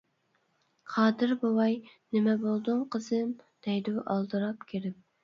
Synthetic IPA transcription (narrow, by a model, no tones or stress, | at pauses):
qʰɑːd̪ɨɾbowɑjnɪmɛbolˠd̪uŋqəzɨm | d̪̥ɛjd̪uʔɑlˠd̪ɨɾɑpkʲʰeɾɪp̚